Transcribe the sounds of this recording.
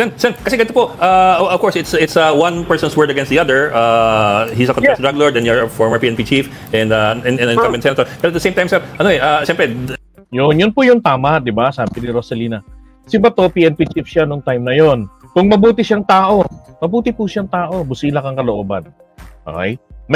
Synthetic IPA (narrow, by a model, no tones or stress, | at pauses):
sɛnsɛnkɐsɛɡɐnɪt̪opoʔaɐv̥kɔɹsɪt̪sɪt̪sawɐ̃npɛɹsɔ̃nswɜɹd̪ɐɡɛ̃nsd̪iɐd̪ɛɹahisɐkɔ̃nfɛsd̪ɹɐɡ̚loɹd̪ɛ̃njɔfɔɹməɹpiʔɛnpit͡ʃif | ʔɛ̃nd̪aɛnɛɛ̃kɐmɪ̃nsɛnɐt̪ɔɹpɛɾoɐt̪̚dəsẽj̃mt̪ajmsɛɾʔɐnoɛʔaʃɛmpɾɛ | jonjʊnpʊjʊŋt̪aːmɐʔd̪ɪbasaːbɪnɪɾosɛliːnɐ | sɪbɐt̪o̞piːʔɛnpit͡ʃifʃanʊŋt̪ajmnɐjonkʊŋmɐbuːt̪ɪʃaŋt̪aːʔo̞mɐbuːt̪ɪpuʃaŋt̪aːʔo̞bʊsiːlɐkɐŋkɐloʔoːbɐn | ʔo̰a̰jt̪̚